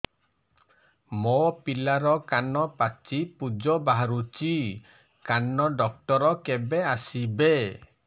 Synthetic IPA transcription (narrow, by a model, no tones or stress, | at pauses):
mopilaɾɔkanɔpat͡ʃipud͡ʒɔbaɦaɾut͡ʃi | kanɔɖɔk̚ʈɔɾɔkebeasibe